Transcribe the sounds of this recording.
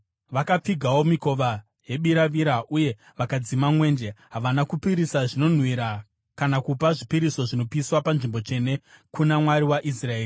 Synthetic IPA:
ʋakap͡fiɡʱawo̞miko̞ʋa | je̞ɓiɾaʋiɾaʔuje̞ | ʋakad͡zimamwe̞ːnde̞ɦaʋanakupiɾisaʐino̞n̤wiɾa | kanakupaʐipiɾiso̞ʐino̞piswapanʐimbo̞t͡ʂe̞ne̞kunamwaɾiwaʔisrae̞ːri

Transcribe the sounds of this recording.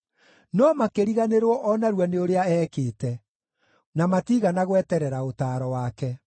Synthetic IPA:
nɔmakeɾiɣaneɾwɔʔɔnaɾwaneoɾeaɛːkeːtɛ | namatiːɣanaɣwɛtɛɾɛɾaotaːɾɔwaːkɛ

